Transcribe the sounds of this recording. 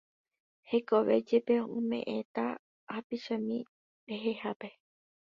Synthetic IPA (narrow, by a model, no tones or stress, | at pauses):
he̞ko̞ʋe̞̰d͡ʒe̞peõʔõmẽ̞̰ʔẽt̪a | hapiʃamĩ | pe̞ɦe̞hape̞